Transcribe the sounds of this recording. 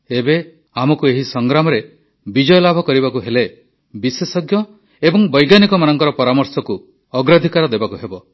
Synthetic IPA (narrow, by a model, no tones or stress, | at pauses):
ebe | amɔkueɦisɔŋɡɾamɔɾe | bid͡ʒɔjɔlabʱɔkɔɾibakuɦele | bisesɔɡjɔ | ebɔŋbɔjɡanikɔmanɔŋkɔɾɔpɔɾamɔɾsɔku | ɔɡɾad̪ʱikaɾɔd̪ebakuɦebɔ